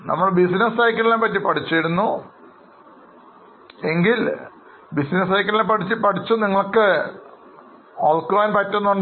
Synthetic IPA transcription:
nɐ̰mːɐɭbisinɐsɐjkːɐlilepɐtːipɐʈʰit͡ɕːɐjɽunːu | e̞ŋɡil | bisinɐsɐjkːɐlilepɐʈʰit͡ɕːipɐʈʰit͡ɕːuniŋːɐɭokːɨ | oːlkoaːnpɐtːonːoɳɖ

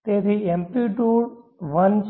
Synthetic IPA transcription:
t̪et̪ʰiempiʈuɾʋəns

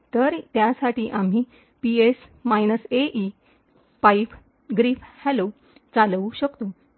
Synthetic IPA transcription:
t̪əɾt̪jasaʈiːʔam̤iː | piesmajnəseʔi | paif | ɡɾiːfhɛlo | t͡saluɕəkt̪o

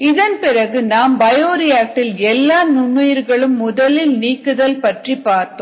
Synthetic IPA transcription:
ɪðɐnpɪrɐɣɯnaːmbɐjoːɾɪjaːʈːɪlɛlːaːnʊɳːɯjɪɾɣɐɭɯmːʊðɐlɪlniːkːɯðɐlpɐʈripːaːɾt̪ːõː

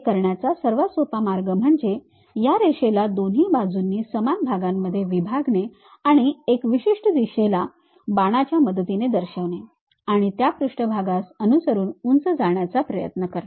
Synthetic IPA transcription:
kəɾɳjat͡sasəɾʋasopamaɾɡəm̤əɳd͡ze | jaɾeɕelad̪onɦiːbad͡zunːiːsəmanbʱaɡamːəd̪ʱːjeʋibʱaɡne | aɽ̃iekʋiɕiʂʈəd̪iɕela | baɽ̃at͡ɕjaməd̪ət̪ined̪əɾɕəʋne | aɽ̃it̪japɾuʂʈəbʱaɡasənusəɾuːnunt͡səd͡zaɳjat͡sapɾəjə̰t̪nəkəɾ

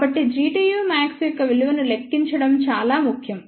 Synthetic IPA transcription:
bɐʈːid͡ʒɾiːʈiːjuːmaːksjɔkːɐʋeluʋɐnulekːiɲt͡ʃɐɽɐmt͡ʃaːlaːmukʰjɐm

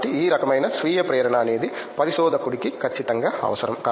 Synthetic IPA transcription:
ʈːiiːɾɐkɐmɐjnɐsʋiːjɐpɾɐːɐɾɐɳaːneːd̪i | pɐɾisoːd̪ɐkuɽikːikɐɾt͡ʃːit̪ɐŋɡɐɐ̰ʋɐsɐɾɐmkɐ

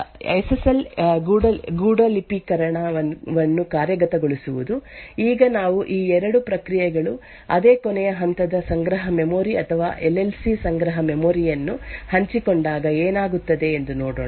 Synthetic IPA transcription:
ɐ̰jsesɐlɡuːɖɐlɡuːɖɐlipikɐɾɐɳaɐʋɐnːukaːɾjɐɡɐt̪ɐɡoɭisuʋud̪uiːɡɐnaːʋuʔiːɛɾɐɽupɾɐkɾijɛɡɐɭu | ɐd̪e̞ːkɔnɛjɐɦɐnt̪ɐd̪ɐsɐŋɡɾɐɦɐmemoːɾiɐt̪ʰɐʋa̰ːʔelːelsisɐŋɡɾɐɦɐmemoːɾijɐnːuhɐɲt͡ʃikoɳɖaːɡɐeːnaːɡut̪ːɐd̪e̞ːnd̪unoːɽoːɳ

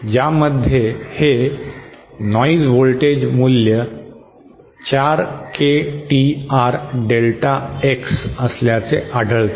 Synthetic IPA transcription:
d͡ʑaməd̪ʱjehe | nɔid͡zʋolʈed͡ʑmuljə | t͡ɕaɾkʰeʈiaɾɖelʈaeksəsljat͡seʔaɖʱəɭt̪

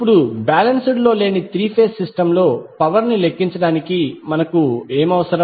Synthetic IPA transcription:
pːuɽubaːlɐnsuɽlo̞ːle̞ːnit̪ɾiːpʰe̞ːsːisʈɐmlo̞ːpɐʋɐɾnile̞kːiɲt͡ʃɐɽaːnikimɐnɐkueːmɐʋɐsɐɾɐ

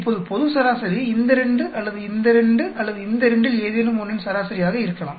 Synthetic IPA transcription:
ɪpːoːðɯpɔðɯsɐɾaːsɐɾiɪnd̪ɐɾɛɳɖɯʔɐlːɐðɯɪnd̪ɐɾɛɳɖɯʔɐlːɐðɯɪnd̪ɐɾɛɳɖɪleːðenɯmɔnːɪnsɐɾaːsɐɾɪjaːɣɐɪɾɯkːɐmaː

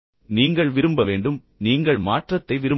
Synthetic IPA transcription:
niːŋɡɐɭʋɪɾɯmbɐʋeːɳɖɯm | niːŋɡɐɭmaːʈrɐt̪ːɐɪʋɪɾɯ

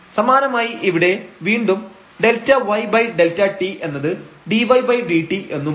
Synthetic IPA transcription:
sɐmaːnɐmaːjiʔiʋiɽe̞ʋiːɳɖum | ɖe̞ltːɐʋɐjbɐjɖe̞ltɐʈiʔe̞nːɐðɨɖiʋɐjbɐjɖiːʈːiʔe̞nːum

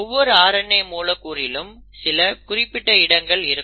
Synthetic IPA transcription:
ɔʋːɔɾɯaːɾɐɳːɐɪmuːlɐkːuːrɪlɯm | sɪlɐkʊrɪpːɪʈːɐɪɽɐŋɡɐɭɪɾɯkː

